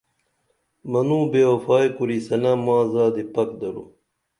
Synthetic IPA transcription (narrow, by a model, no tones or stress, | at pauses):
mɐnũːbeːwɐfaːjkuɾisɐnamãːzaːd̪ipɐkd̪ɐɾṵ